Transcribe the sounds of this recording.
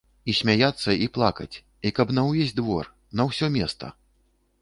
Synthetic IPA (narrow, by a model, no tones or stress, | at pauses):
isʲmʲajat̪sːɐʔiplˠakɐt͡sʲ | ikɐbnɐwvʲezʲd̪vɔr | nɐwsʲɔmʲɛst̪ɐ̰